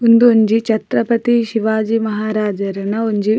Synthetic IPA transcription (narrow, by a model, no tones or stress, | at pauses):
und̪uoɲd͡ʒit͡ʃɐt̪ɾɐpɐt̪iʃiʋaːd͡ʒimɐɦaːɾaːd͡ʒɐɾɐnɐoɲd͡ʒi